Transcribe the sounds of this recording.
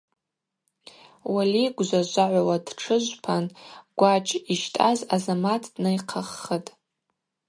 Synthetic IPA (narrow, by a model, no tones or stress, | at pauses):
waliɡʷzʷaʒʷaʕʷawad̥ʈ͡ʂʰɨʒʷpʰanɡ̥ʷat͡ʃʼiʃtʼazazamatʰʼdnɨjqʰaχːətʼ